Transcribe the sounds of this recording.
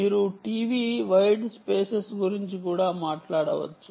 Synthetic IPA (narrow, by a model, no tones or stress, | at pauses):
miːɾuʈiːʋiʋɐjɖspeːsesɡuɾiɲt͡ʃikuːɽaːmaːʈlaːɽɐʋɐ̰t͡ʃːu